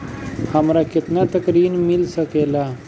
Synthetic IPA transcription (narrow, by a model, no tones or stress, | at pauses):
həmɾakɪt̪nat̪əkɾiːnmilsəkela